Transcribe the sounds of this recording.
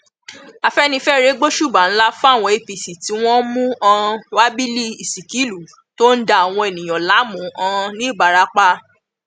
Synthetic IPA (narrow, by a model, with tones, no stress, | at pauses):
a˨fɛ˦nĩ˧fɛ˦ɾe˨˦ɡ͡bo˦ʃu˦˨ba˨n̩˦la˦fɔ̃˦a˦˨w̃ɔ̃˧e˨pi˨si˨ti˨˦w̃ɔ̃˦mũ˦ã˧wa˦bi˦li˦i˨si˨ki˨˦lu˨˦ | to˦n̩˦da˦˨a˨w̃ɔ̃˧e˨nĩ˨j̃ã˨la˨˦mũ˨˦ã˧nĩ˨˦˨ba˨ɾa˧˦k͡pa˦